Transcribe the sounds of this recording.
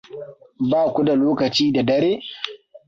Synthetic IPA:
baː˦˨kʷu˦da˨loː˦kɐ˨t͡ʃiː˦da˨dɐ˦ɾeː˦

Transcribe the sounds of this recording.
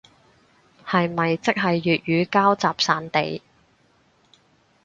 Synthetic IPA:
hɐ˨jmɐ˨jt͡sɪ˥k̚ɦɐ˨jːyː˨t̚jyː˨˧kaː˥wt͡saː˨p̚saː˨nt̪ḛ˨j

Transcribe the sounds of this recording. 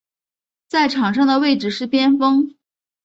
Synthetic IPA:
t͡sa˥˩ɪʈ͡ʂʰɑ˨˩ŋʂɑ˥ŋd̪ə˨we˥˩ɪʈ͡ʂɻ̩˨˩ʂɻ̩˥˩pjɛ˥nfɤ˥ŋ

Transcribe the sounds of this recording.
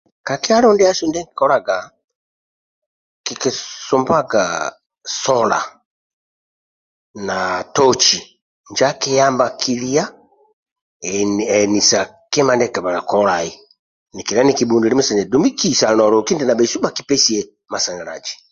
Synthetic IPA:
ka˨ki˦a˦lɔ˦ndɛ˦a˦su˦ndɛ˦ŋki̥˨kɔ˦la˨ɡa˨ | ki˨ki˨su˨mba˦ɡa˨ | sɔ˦la̰˨ | natɔ˦t͡ʃi˨ | ɲd͡ʒa˦ki˦ja˦mbakʰi˦li˦a˦ | ɛ˨ni˨sa˨ | kɛ˦ma˨ndɛ˦kɛ˨ba˨la˨kɔ˦la˨i˨ | ni˨ki˨la˦ni˦ki˨bu˨ndi˨ɾi˦mu˦sɛ˨nɛ˨du˨mi˦ki˦sa˨nɔ˨lɔ˨ki˦ndɛ˨na˨bɛ˨i˨su˦ba˨ki˦pɛ˦si˨ɛ˨ | ma˨sa˨ŋa˨ɾa̰˨d͡ʒi̥

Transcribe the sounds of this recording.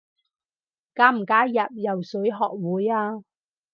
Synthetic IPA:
kaː˧˥m̩˨˩kaː˨˥jɐ˨p̚jɐ˨˩wsɵ˨˥jɦɔː˨k̚wuː˨˥jaː˧

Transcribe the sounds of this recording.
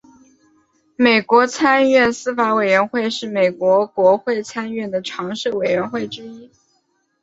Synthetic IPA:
me˨˩ɪkwɔ˧˥t͡sʰa˥nɥɛ˥˩nsɹ̩˥fa˧˥we˨˩ɪɥɛ˧˥nxwe˥˧ɪʂɻ̩˥˩me˨˩ɪkwɔ˧˥kwɔ˧˥xwe˥˩ɪt͡sʰa˥nɥɛ˥˩nd̪ə˩ʈ͡ʂʰɑ˧˥ŋʂ̩˥˩we˨˩ɪɥɛ˧˥nxwe˥˩ɪʈ͡ʂɻ̩˥i˥

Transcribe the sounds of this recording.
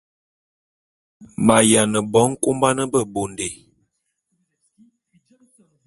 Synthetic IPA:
ma˨ja˨nə˨bɔ˨˦ŋ˦ko˦mba˦nə˦bə˦˨bo˨nde˨

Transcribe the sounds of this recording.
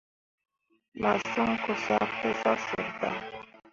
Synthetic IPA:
ma˨sɔ˦ŋ˦ko˨sa˦ko˦sa˦sɔ˨ta˨

